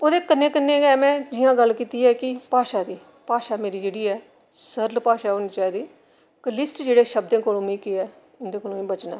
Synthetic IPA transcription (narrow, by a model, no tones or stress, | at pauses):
oːd̪eːkənːeːkənːeːɡɛːmɛ̃ːd͡ʒɪjãːɡəlːkiːt̪iːɛːkɪpaːʃaːd̪iː | paːʃaːmeːɾiːd͡ʒeːɽiːɛː | səɾlpaːʃaːɛoːniːt͡ʃaːiːd̪iː | kəlɪsʈd͡ʒeːɽeːʃəb̚d̪ẽːkoːlõːmĩːkeɛː | ʊnd̪eːkoːlõːĩːbət͡ʃna̰ː